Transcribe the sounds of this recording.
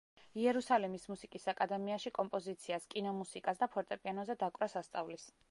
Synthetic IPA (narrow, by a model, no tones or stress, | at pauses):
iɛɾusalɛmismusikʼisakʼad̪ɛmiaʃikʼɔmpʼɔzit̪sʰiaskʼinɔmusikʼasd̪apʰɔɾt̪ʼɛpʼianɔzɛd̪akʼɾasast̪sʼavlis